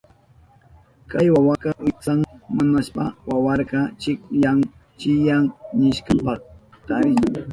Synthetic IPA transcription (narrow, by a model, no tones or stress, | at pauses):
kajwawakɑwɪt͡saŋmanaʃpawawɑɾɢɑt͡ʃɪkjaŋ | t͡ʃɪjaŋnɪʃkɑpɑχ | t̪aɾɪt͡ʃaŋ